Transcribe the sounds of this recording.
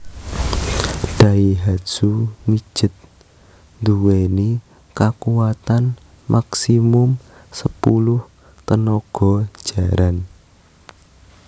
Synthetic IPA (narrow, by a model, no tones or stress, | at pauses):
ɖ̥a̤iɦḁʒ̥umi̥ʒ̥ə̤t̪̚ | nd̪uweni | kakuwat̪an | mʔaksimʊmsəpulʊh | t̪ənɔɡ̥ɔ̤̥ʒ̥a̤ɾan